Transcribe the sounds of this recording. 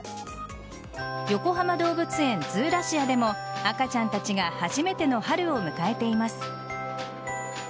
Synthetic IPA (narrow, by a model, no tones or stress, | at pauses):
jo̞ko̞ɦamad̪o̞ːbɯ̟t͡sɨẽ̞nd͡zɨːɾaɕiad̪e̞mo̞akat͡ɕãnt̪at͡ɕiɡahaʑime̞t̪e̞no̞haɾɯ̟o̞mɯ̟kae̞t̪e̞imasɨ̥